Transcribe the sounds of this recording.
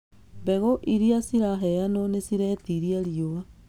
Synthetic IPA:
mbɛɣoʔiɾiasiɾaɦɛjanonesiɾɛtiɾiaɾioa

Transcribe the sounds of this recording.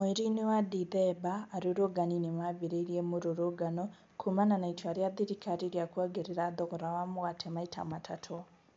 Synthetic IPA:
meɾinewadiðɛbaːɾuɾoɡaninemaβiɾeiɾiemoɾoɾoɡano | kʰumananaitwaɾjaðiɾikaɾiɾjakwaɡeɾeɾaðoɣoɾawamoɣatʰemaitʰa̰matʰatʰo

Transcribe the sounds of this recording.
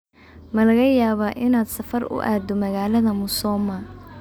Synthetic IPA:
mɐlɐɣɐjaːβaːʔɪnaːd̪sɐfɐrʊ̰ʔa̰ːd̪ɔmɐɣaːlɐðɐmʊsɔːmɐ

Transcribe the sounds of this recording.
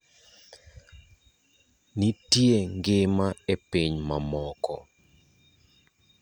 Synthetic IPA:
nitjeŋɡɪmaepiɲmamɔkɔ̰

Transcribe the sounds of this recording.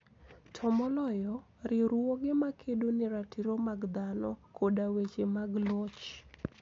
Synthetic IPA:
tʰɔmɔlɔjɔ | ɾɪɾuoɡɪmakʰedonɪɾatiɾomaɡd̪anɔkʰodawet͡ʃemaɡlɔt͡ʃ

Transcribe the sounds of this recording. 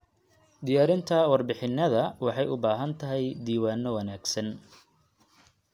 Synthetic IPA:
d̪ɪjaːɾɪnt̪ʰɐwɑrbɪħɪnːɐðɐwɑħɑjʊbaːɦɐnt̪ʰɐɦɛjd̪iːwaːnːɔwɐnaːɡsɐn

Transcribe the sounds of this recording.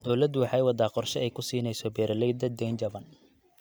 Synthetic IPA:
d̪̥ɔwlɐd̪ʊwɑħɑjwɑd̪aːqɔrʃɛɛjkʰʊsiːnɛjsɔbɛːɾɐlɛd̪ɐd̪ɛjnd͡ʒɐβɐn

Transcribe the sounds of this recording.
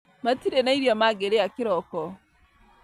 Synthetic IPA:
matiɾenaiɾjɔmaɡeɾejakiɾɔkɔ

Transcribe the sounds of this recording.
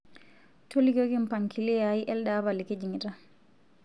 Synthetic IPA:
tolikokimpaŋkʰilijajiʔɛlɗabaliked͡ʒiŋita

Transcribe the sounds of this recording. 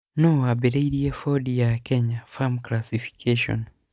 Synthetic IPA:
noaβeɾeiɾiefodijakeɲafamklasifi̥kʰeʃo̰n

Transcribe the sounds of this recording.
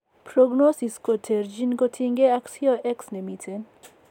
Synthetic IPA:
pɾoɡnosiskot̪ʰeɾd͡ʒinkot̪ʰiŋɡeaksioʔeksnemitʰen

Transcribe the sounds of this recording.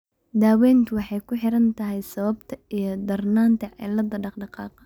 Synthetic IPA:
d̪aːwɛːnt̪ʰʊwɑħɑjkʰʊħɪɾɐnt̪ʰɐɦɛjsɐβɐbt̪ʰɐijɞd̪ɐrnaːnt̪ʰɐʕɪ̰lɐd̪ɐɖɑqɖɑqɑ̰ːqɐ̥

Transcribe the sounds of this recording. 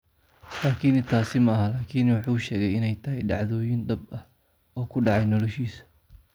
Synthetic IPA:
laːkʰiːnɪnt̪ʰaːsɪmɐɐɦɐlaːkʰiːnwʊħuːʊʃɛːɣɛjɪnɛjt̪ʰɐɦɛjɖɑʕðɔːjɪnd̪ɐbɐ | ɔːkʰʊɖɑʕɑjnɔlɔʃiːsɐ̥

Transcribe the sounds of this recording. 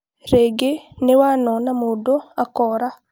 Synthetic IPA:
ɾeɡenewanɔnamodoakɔɾa

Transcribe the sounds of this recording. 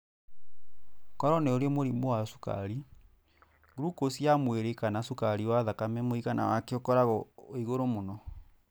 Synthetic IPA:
kɔɾɔneoɾeɛmoɾimowasu̥ka̰ɾi | ɡɾukosjamweɾekanasukaɾiwaðakamɛmoiɣana̰wakeokɔɾaɣɔoiɣoɾomonɔ

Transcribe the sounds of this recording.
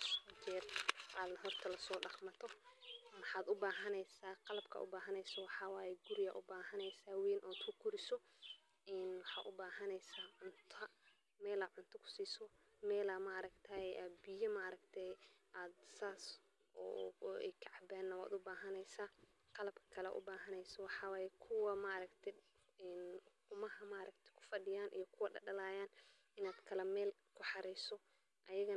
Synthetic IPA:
ɐt͡ʃɛːrʔaːd̪ɦɔrt̪ʰɐlɐsɔːɖɑχmɐt̪ʰɔmɑħɑaːd̪ʊbaːɦɐnɛjsaːqɑlɐbkʰɐ̰ʔʊ̰baːɦɐnɛjsɐwɑħɑːwaːjɛɡʊɾɪjɐ̰ʔʊbaːɦɐnɛjsaːweːnʔɔːd̪kʰʊkʰʊɾɪsɔ | ɪnwɑħɑ̰ːʔʊbaːɦɐnɛjsaːʕʊnt̪ʰɐ | mɛːlaʕʊnt̪ʰɐkʰʊ̥siːsɔ | mɛːlamaːɾɐkt̪ʰɐʔaːbɪjɐmaɾɐɡt̪ʰɛjʔaːd̪saːs | ɔ̰ːɛ̰jkʰɑʕɑbɛːnːɐwa̰ːd̪ʊbaːɦɐnɛjsaː | qɑlɐbkʰɐ̥kʰɐlɛ̰ʔʊ̰baːɦɐnɛjsɐwɑħɑːwaːjɛkʰʊwɐmaʔɾɐkt̪ʰɛ | ɛːnqʊmɐɦɐmaʔɾʔɐkt̪ʰɛ̥kʰʊ̥fɐɖɪjaːnʔḭjɔkʰʊwɐɖɐ̰ɖɐlaːjaːn | ɪnaːd̪kʰɐlɛmɛːl | kʰʊħɑɾɛjsɔ | ʔɐjɐɣɐ

